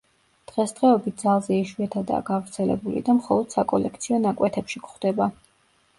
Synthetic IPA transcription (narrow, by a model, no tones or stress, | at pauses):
d̪̥ʁɛsd̪̥ʁɛɔbit̪̚ʰd̪zalˠzɛiʃwiat̪ʰad̪a̰ːɡavɾt̪sʰɛlɛ̰bulḭd̪amχɔlˠɔd̪̥sakʼɔlɛk̚ʰt̪sʰiɔnakʼwɛt̪ʰɛpʃikχd̪̥ɛba